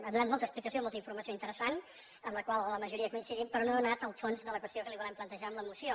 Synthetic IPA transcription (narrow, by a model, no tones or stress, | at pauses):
əðunat̪molˠt̪əksplikəsiomɔlˠt̪əiɱfuɾməsioint̪əɾəsan | əmləkwalˠləməʒuɾiəkuinsiðimpɾɔnoðunat̪əlˠfonzðələkwəst̪iokəliβulɛmplənt̪əʒaəmləmusio